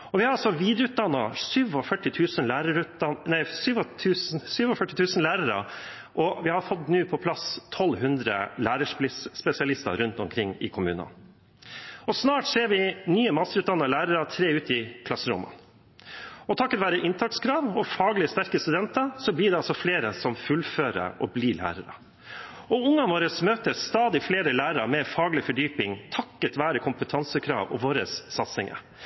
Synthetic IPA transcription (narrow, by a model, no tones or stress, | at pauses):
ɔʋɪhɑɾɑlsɔʋiːd̪ɾəʉːt̪̚d̪ɑnːɑsyːʋɔfœʈːɪt̪ʰʉːsənlæːɾəɾʉɑnnæɪsyːʋt̪ʰʉːssyːʋɔfœʈːɪt̪ʰʉːsənlæːɾəɾə̰ | ʔɔʋɪhɑɾfɔd̪nʉːpʰɔpʰlɑst̪ʰɔlɦʉnd̪ɾə̰læːɾəʂɪsspɛsɪɑlɪst̪ɑ̰ɾʉnt̪ɔmkʰɾɪŋːɪ̰kʰʊmʉ̰ːnə̰n | ɔsnɑːʈseːɾʋɪnyːəmɑst̪əɾʉːt̪d̪ɑnːɑlæːɾəɾɑt̪ʰɾeːʉːt̪ɪkʰlɑsəɾʊ̰mə̰n | ɔt̪ʰɑkːət̪ʋæːɾəʔɪnt̪ʰɑkskʰɾɑːʋɔfɑːɡlɪəst̪æɾkəst̪ʉd̪ɛnt̪ɑsɔbliːɖ̪ɛɑlsɔfleːɾəsɔmfʉlføːɾə̰ʔɔbliːlæ̰ːɾə̰ɾə̰ | ɔʊŋːɑʋoːɾəsmøːt̪əst̪ɑːd̪ɪfleːɾəlæːɾəɾɑmɛfɑːɡlɪfɔɖyːpɪŋt̪ʰɑkːət̪ʋæːɾəkʰʊmpət̪ʰɑnsəkʰɾɑ̰ːʋɔ̰ʋoːɾəsːɑt̪sɪŋə̰